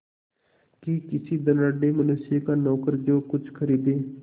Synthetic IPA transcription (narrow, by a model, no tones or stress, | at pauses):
kikɪsiːd̪ənaːɖeːmənʊsjekaːnɔːkəɾd͡ʒoːkʊt͡ʃʰkʰəɾiːd̪eː